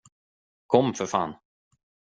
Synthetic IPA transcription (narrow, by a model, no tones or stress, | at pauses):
kʰɔmːfœfa̰ːn